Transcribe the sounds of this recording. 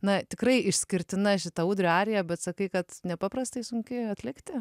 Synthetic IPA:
nɐt̪ʲɪkrɐɪʔɪʃʲsʲkʲɪɾʲt̪ʲɪnɐʃʲɪt̪ɐuːd̪ʲɾʲoɑːɾʲɪjɛbʲɛt̪sɐkɐɪkɐt̪nʲɛpɑːprɐst̪ɐɪsʊŋʲkʲɪɐt̪ʲlʲɪkt̪ʲɪ

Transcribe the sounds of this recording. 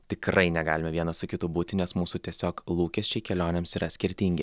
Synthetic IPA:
t̪ʲɪkɾɐɪnʲɛɡɑ̰ːlʲɪmʲɛʋʲiɛnɐsʊkʲɪt̪ubuːt̪ʲɪnʲɛsmuːsut̪ʲiɛsʲoːklˠuːkʲɛsʲt͡ʃʲɛɪkʲɛlʲoːnʲeːmsiːɾɐsʲkʲɪɾʲt̪ʲiŋʲɡʲɪ

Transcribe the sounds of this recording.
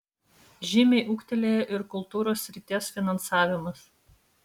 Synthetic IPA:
ʒʲɪmʲɛɪʔuːkʲt̪ʲɛlʲeːjɛʔɪɾkʊlˠˑt̪uːɾoːsʲːɾʲɪt̪ʲeɛsfʲɪnɐnsɑːʋʲɪmɐs

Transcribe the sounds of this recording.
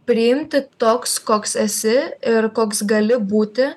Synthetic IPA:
pʲɾʲɪjɪmʲt̪ʲɪt̪oːkskoːksɛsʲɪɪɾkoːksɡɐlʲɪbuːt̪ʲɪ

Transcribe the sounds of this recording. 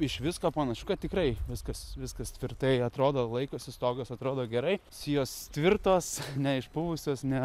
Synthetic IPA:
ɪʃʋʲɪskoːpɐnɐʃʲʊkɐt̪̚tʲɪkrɐɪʋʲɪskɐsʋʲɪskɐst̪ʲʋʲɪrt̪ɐɪɐt̪ɾoːd̪oːlˠɐɪkoːsʲɪst̪oːɡoːsɐt̪ɾoːd̪oːɡʲɛɾɐɪsʲɪjoːst̪ʲʋʲɪrt̪oːsnʲɛɪʃbʊʋʊsʲoːsnʲɛ

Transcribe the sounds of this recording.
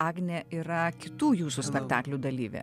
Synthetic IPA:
ɑːɡnʲeiːɾɐkʲɪt̪uːjuːsuːsʲpʲɛkt̪ɑːklʲuːd̪ɐlʲiːʋʲḛː

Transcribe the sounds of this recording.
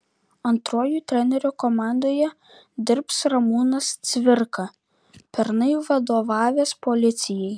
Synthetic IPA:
ɐnt̪ɾoːjuːt̪ʲɾʲɛnʲɛɾʲukɔmɑˑnd̪oːjɛ | d̪ʲɪɾpsɾɐmuːnɐst̪sʲʋʲɪɾkɐ | pʲɛɾnɐɪʋɐd̪oːʋɑːʋʲeːspɔlʲɪt̪sʲɪjɛɪ

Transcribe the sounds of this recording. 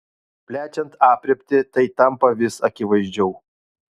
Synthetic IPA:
pʲlʲæːt͡ʃʲɛnt̪ɑːpʲɾʲɛpʲt̪ʲɪt̪ɐɪt̪ɐmpɐʋʲɪsɐkʲɪʋɐɪʒʲd͡ʒʲɛʊ

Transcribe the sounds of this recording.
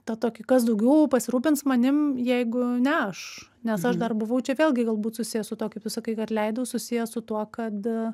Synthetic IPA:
t̪ɐt̪oːkʲɪkɐs̬d̪ɐʊɡʲɛʊpɐsʲɪɾuːpʲɪntsmɐnʲɪmjɛɪɡʊnʲɛɐʃnʲɛsɐʃd̪ɐrbʊʋɐʊt͡ʃʲɛʋʲeːlʲɡʲɪɡɐlˠbuːt̪sʊsʲɪjɛsʊt̪uɔkɐɪpt̪ʊsɐkɐɪkɐtlʲɛɪd̪ɐʊsʊsʲɪjɛsʊt̪uɔkɐt̪

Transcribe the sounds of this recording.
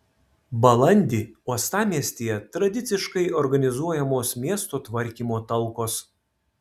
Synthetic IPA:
bɐlˠɐnʲd̪ʲiːuɔst̪ɑːmʲiɛsʲt̪ʲeːjɛt̪ɾɐd̪ʲɪt̪sʲɪʃkɐɪɔɾɡɐnʲɪzuɔjɛmoːsmʲiɛst̪oːt̪ʋɐɾʲkʲiːmoːt̪ɐlˠˑkoːs

